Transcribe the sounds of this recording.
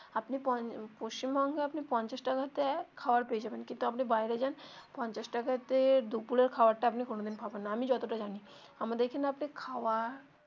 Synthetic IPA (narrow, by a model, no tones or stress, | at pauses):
apnipɔpoʃt͡ɕimbɔŋɡeapnipɔnt͡ɕaʃʈakat̪ekʰaoaɾpeed͡ʑabenkint̪uapnibajɾed͡ʑanpɔnt͡ɕaʃʈakat̪ed̪upuleɾkʰaoaɾʈaapnikonod̪inbʱabenːaamid͡ʑɔt̪oʈad͡ʑani | amad̪ekʰenapnikʰawaɾ